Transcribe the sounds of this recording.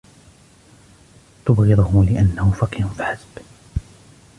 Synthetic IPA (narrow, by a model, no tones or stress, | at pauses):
t̪ʊbɣɪðˤʊhʊlɪʔanːahʊfɑqɪɾʊnfiħasb